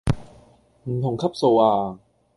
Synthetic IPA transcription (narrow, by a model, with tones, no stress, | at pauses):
m̩˧˩ŋt̪ʰo˨˩˦ŋkʰa˦˥˩p̚soː˧waː˧